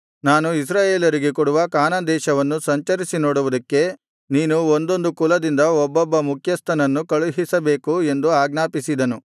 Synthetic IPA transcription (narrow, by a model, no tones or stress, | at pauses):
naːnuis̬ɾaːje̞ːljɐɾiɡe̞kuɽuʋɐkaːnɐd̪ɛːʃɐʋɐnːusɐɲt͡ʃɐɾisinoːɽuʋud̪ɐkːe̞ | niːnuond̪o̞nd̪ukulɐd̪ind̪ɐɔbːɔbːɐmukʰjɐst̪ʰɐnɐnːukɐɭuɦisɐbe̞ːkue̞nd̪uaːɡnaːpisid̪ɐnu